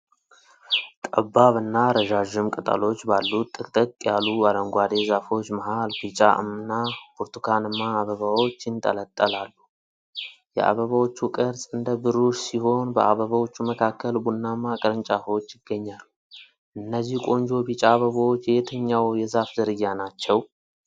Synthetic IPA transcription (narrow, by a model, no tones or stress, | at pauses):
t̪ʼəbaβɨnːaɾəʒaʒɪmkʼət̪ʼa̰lo̞t͡ʃːbalːut̪ʼːɨkʼt̪ʼəkʼjaluad̪əŋɡʷad̪e̞zafo̞t͡ʃːməɦalbit͡ʃʼa̰mnːabuɾt̪ʰukʰanɨnːaːβəβawo̞t͡ʃːɪnt̪ʼə̰lət̪ʼːəlalːu | jɛ̰ʔa̰βəβawot͡ʃːukʼəɾsʼɨnd̪əbɨɾuʃsiho̞nbəʔa̰βəβawo̞t͡ʃːuməkʰakːəlbunːamakʼəɾɨnt͡ʃʼafot͡ʃːjɪɡːəɲːalːu | ʔɨnːəzːihkʷʼo̞nd͡ʒo̞bit͡ʃʼaːβəβawo̞t͡ʃːjet̪ʰəɲːawjɛzafzəɾɨjːanat͡ʃːɛw